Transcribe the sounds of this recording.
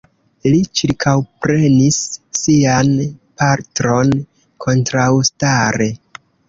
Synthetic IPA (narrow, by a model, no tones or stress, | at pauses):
lit͡ʃiɾkʰawpɾe̞nisːianpaɾtɾo̞n | kʰo̞ntɾawstaɾe̞